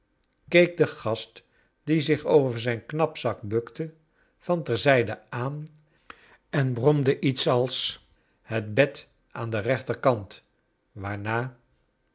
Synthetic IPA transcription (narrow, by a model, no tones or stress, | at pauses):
kejk̚dəχɑst | d̥izɪχowvəəɹzɛjnknɑpsɑk̚bɵktə | v̥ɑntɛɹzɛjdəʔaːn | ɛnbrɔmdəʔitsɑlˠs | hətbɛt | ʔaːndərɛχtəɹkɑnt | ʋaːɹnaː